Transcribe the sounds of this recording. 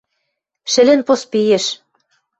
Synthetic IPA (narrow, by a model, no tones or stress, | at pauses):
ʃɘ̆lɘ̆npospijeʃ